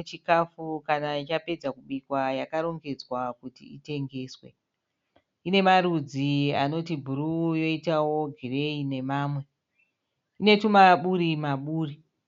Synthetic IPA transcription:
t͡ʃikafukanait͡ʃape̞d͡zakuɓikwajakaɾoŋɡe̞d͡zwakutḭḭte̞ŋɡe̞ːswe̞̰ | ine̞maɾud͡zia̰no̞tibʱuɾujo̞itawo̞ɡʱire̞ine̞maːmwe̞ | ine̞tumaɓuɾimaɓuːri

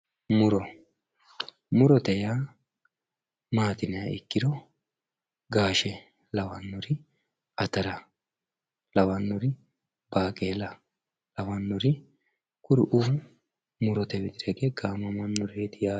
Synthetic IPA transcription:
mʊɾɔ | mʊɾɔt̪ɛjaː | maːt̪ɪnɛjɐɪkːɪd̪ɔ | ɡaːʃɛ | lɐwɐnːɔɾɪ | ɐt̪ɐɾɐ | lɐwɐnːɔɾɪ | baːkʼe̞ːlɐ | lɐwɐnːɔɾɪ | kʊɾʔuː | mʊɾɔt̪ɛbɪd̪ɪɾɛɡɛɡaːmɐmɐnːɔɾeːd̪ɪjaː

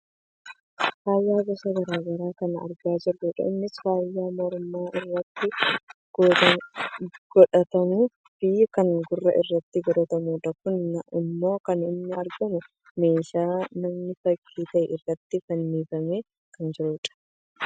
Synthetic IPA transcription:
faːjːaːɡɐʃɐɡɐɾaːɡɐɾaːkɐnɐɐ̰ɾɡaːd͡ʒɪrːuːᶑɐ̰ɪnːɪsfaːjːaːmɔɾʊmːaːʔɪrːɐt̪ːɪ | ɡ̥ɔt̪ɐ | ɡ̥ɔᶑɐt̪ɐmuː | fɪkɐŋɡʊrːɐ̰ʔɪrːɐt̪ːɪɡɔᶑɐt̪ɐmuːᶑ̪ɐkʊnɪmːo̞ːkɐnɪmnɪɐɾɡɐmʊ | me̞ːʃaːnɐmnɪfɐkːiːt̪ɐʔɛʔɪrːɐt̪ːɪfɐnːiːfɐmeː | kɐnd͡ʒɪɾuːᶑɐ̥

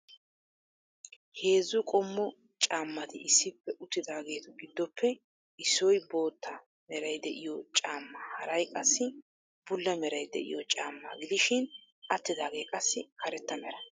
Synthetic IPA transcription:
he̞ːzʊkʼɔmːɔ | t͡ʃʼaːmːɐt̪ɪɪsːɪpːɛʔʊt̪ːɪd̪aːɡe̞ːt̪ɔɡɪd̪ːɔpːɛ | ɪsɔjbo̞ːt̪ʰːɐ | mɛɾɐjd̪ɛʔɪjɔt͡ʃʼaːmːɐhɐɾɐjkʼɐsːɪ | b̥ʊlːɐmɛɾɐjd̪ɛ̰ʔɪ̰jɔt͡ʃʼa̰ːmːa̰ːɡɪd̪ɪʃɪn | ɐt̪ːɪd̪aːɡe̞ːkʼɐsːɪhɐɾɛt̪ːɐmɛɾɐ

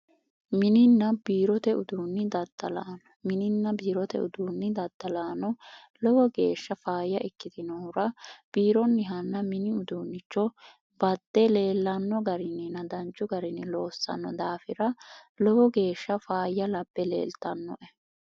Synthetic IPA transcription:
mɪnɪnːɐbiːɾɔt̪ɛʊd̪uːnːɪd̪ɐd̪̥ːɐla̰ːnɔmɪnɪnːɐbiːɾɔt̪ɛ̰ʊ̰d̪uːnːɪd̪ɐd̪ːɐlaːnɔ | lɔwɔɡeːʃːɐfaːjːɐʔɪkːɪt̪ɪnɔhʊɾɐb̥iːɾɔnːɪɦɐnːɐmɪnɪʊd̪uːnːɪt͡ʃːɔ | bɐd̪ːɛle̞ːlːɐnːɔɡɐɾɪnɪnɐd̪ɐnt͡ʃːʊɡɐɾɪnɪlo̞ːsːɐ̰nːɔd̪aːfɪɾɐ | lɔwɔɡe̞ːʃːɐfaːjːɐlɐb̥ːɛle̞̰ːlt̪ɐnːɔʔɛ

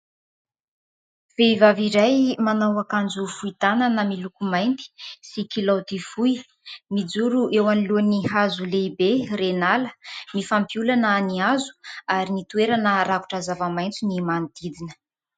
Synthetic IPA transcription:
v̥eivaviɾajmanawakand͡zufuit̪anənəmilukumajnt̪i̥sikilawd̪ifuj | mid͡zuɾuʔewaniluanihazuleberenaləmifampiulanəniazu̥aɾinit̪ueɾanəraku̥ʈ͡ʂəzavəmajnt͡sunimanid̪̥id̪inə̥

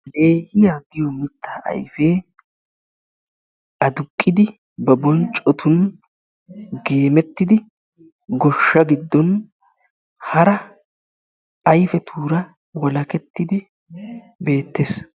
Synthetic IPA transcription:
le̞ːhɪjaːɡɪjɔmɪt̪ʰːɐʔɐ̰jfeː | ɐd̪ʊkʼːɪd̪ɪ | bɛbɔnt͡ʃʼɔt̪ʰʊn | ɡe̞ːmɛt̪ːɪd̪ɪ | ɡɔʃːɐɡɪd̪ːɔn | hɐɾɐ | jfɛt̪ʰuːɾɐ | wɔlɐkɛt̪ːɪd̪ɪ | be̞ːt̪ːeːs

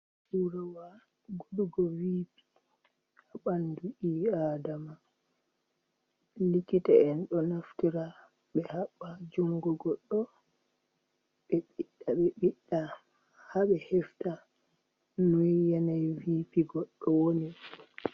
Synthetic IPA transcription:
suɾawa | ɡoɗuɡɔwiːpi̥ | haɓanduʔiːaːdama | likitaɛnɗɔnaftiɾa | ɓɛhaɓːad͡ʒuŋɡɔɡɔɗːɔ | ɓɛɓiɗːaɓɛɓiɗːa | haɓɛhɛfta | nɔjjanajwiːpiɡɔɗːɔwoni

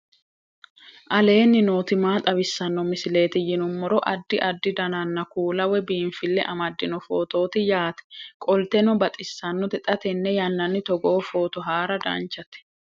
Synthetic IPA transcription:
ʔɐle̞ːnːɪno̞ːt̪ɪmaːt̪ʼɐbɪsːɐnːɔmɪsɪle̞ːt̪ɪjɪnʊmːɔɾɔʔɐd̪ːɪʔɐd̪ːɪd̪ɐnɐnːɐkuːlɐwɛbiːmfɪlːɛʔɐmɐd̪ːɪnɔfo̞ːt̪o̞ːt̪ɪjaːt̪ɛ̥kʼɔlt̪ɛnɔbɐt̪ʼɪsːɐnːɔt̪ɛt̪ʼɐt̪ɛnːɛjɐnːɐnːɪt̪ɔɡoːfo̞ːt̪ɔɦaːɾɐd̪ɐ̰nt͡ʃːɐt̪ɛ̥

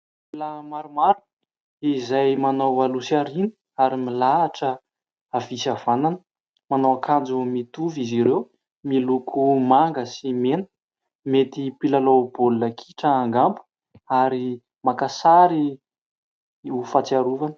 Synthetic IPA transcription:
lamaɾumaɾu̥ | izajmanowalusaɾini̥ | aɾimilaːʈ͡ʂə | avisavananə̥ | manowakand͡zumit̪uviziɾew | milukʰumaŋɡəsimenə̥ | met̪ipilalobolunəkʰiʈ͡ʂəːŋɡambu̥ | aɾi | makasaɾi | ufat͡siaɾuvanə̥

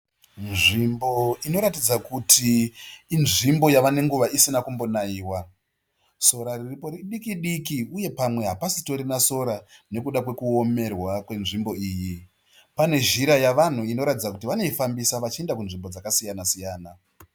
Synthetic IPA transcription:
nʐimbo̞ino̞ɾatid͡zakutʰiː | nʐimbo̞jaʋane̞ŋɡuʋaisinakumbo̞naiːwa | so̞ɾariripo̞ɾiɗikiɗikiuje̞pamwe̞ɦapasito̞ɾinaso̞ɾane̞kuɗakwe̞kuome̞rwakwe̞nʐimbo̞iːji | pane̞ʒiɾajaʋan̤uino̞ɾatid͡zakutiʋano̞ifambisaʋat͡ʃie̞ndakunʐimbo̞d͡zakasijanasijaːna

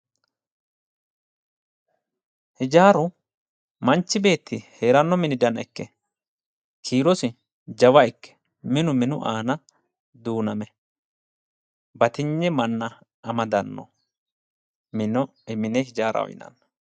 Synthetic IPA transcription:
hɪd͡ʒaːɾʊ | mɐnt͡ʃːɪbe̞ːt̪ʰːɪhe̞ːɾɐnːɔmɪnɪd̪ɐnɛkːɛ | kʰiːɾɔsɪ | d͡ʒɐwɐɛkːɛ̥ | mɪnʊmɪnʊʔaːnɐ | d̪uːnɐmɛ | bɐt̪ɪɲːɛmɐnːɐ | ɐmɐd̪ɐnːɔ̰ | mɪnɔ | mɪnɛhɪd͡ʒaːɾɐ̰wɔ̰jɪ̰nɐ̰n

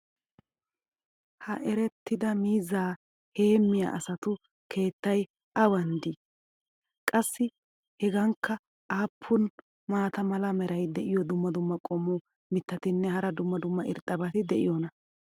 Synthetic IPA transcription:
hɐʔɛɾɛt̪ːɪd̪ɐmiːzaː | he̞ːmːɪja̰ʔɐsɐt̪ʊ | kʰe̞ːt̪ːɐj | ʔɐwɐnd̪i | kʼɐsːɪ | hɛɡɐŋkːɐ | ʔaːpʰːʊn | maːt̪ɐmɐlɐmɛɾɐjd̪ɛʔɪjɔd̪ʊmːɐd̪ʊmːɐkʼɔmːɔ | mɪt̪ːɐt̪ɪnːɛhɐɾɐd̪ʊmːɐd̪ʊmːɐɪ̰ɾt̪ʼːɐbɐt̪ɪd̪ɛʔɪ̰jɔnɐ

